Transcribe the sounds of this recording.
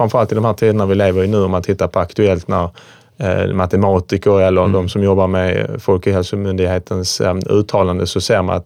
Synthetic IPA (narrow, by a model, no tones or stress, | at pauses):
fɾamfœɾalt̪ɪld̪ɔmɦæːʈt̪ʰiːd̪ənaɾvɪleːvəɾjnʉ̟ːɔmant̪ʰːɪt̪ːaɾpʰɔakt̪ɵɛlt̪næɾ | mat̪ɛmɑːt̪ɪkəɾɛlːəɾd̪ɔmsɔmjɔbːaɾmɛfɔlkɔɦɛlsʊmʏnd̪ɪɡɦeːt̪ʰənsʉ̟ːt̪ʰɑːland̪əsɔseːɾma̰na̰t̪